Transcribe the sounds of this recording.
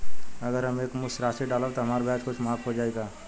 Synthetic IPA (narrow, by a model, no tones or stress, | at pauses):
ɐɡəɾɦəmeːkmʊsɾaːsiɖaːləbt̪oɦɐmaːɾbʱjaːt͡ʃkʊt͡ʃʰmaːkɦod͡ʒaːeɡaː